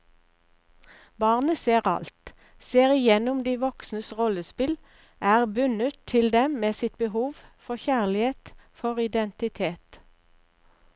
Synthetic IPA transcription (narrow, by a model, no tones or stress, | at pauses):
bɑːʁnəseːʁɑ̰lt̪ | seːʁɪjɛnʊmd̪iːʋɔksnəsʁɔləspɪl | ʔæːʁbʉnət̪ʰːɪld̪ɛmmeːsɪt̪̚bəhuːʋfɔçæːʁlɪheːt̪fɔʁɪd̪ɛnt̪ɪt̪ʰeːt̪